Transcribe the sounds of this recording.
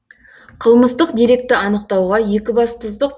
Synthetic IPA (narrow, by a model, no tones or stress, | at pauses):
qʰəlˠməzt̪əqd̪iɾe̞k̚t̪ɪɑnəqt̪ɑwʁɑje̞kʲɪbɑst̪ʰʊzd̪əq̚